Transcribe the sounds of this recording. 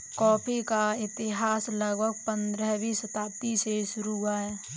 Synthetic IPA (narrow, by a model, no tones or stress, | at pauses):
kɔːpʰikaɪt̪ɪɦaːsləɡbʱəɡ̚pə̃nd̪ɾəɦbʱisət̪aːp̚t̪iseʃʊɾuɡaɦɛː